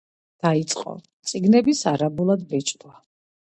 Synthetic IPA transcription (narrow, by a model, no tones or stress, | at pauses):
d̪̥ait̪sʼqʼɔ̰ | t̪sʼiɡnɛbisaɾabulˠad̪bɛt͡ʃʼd̪wa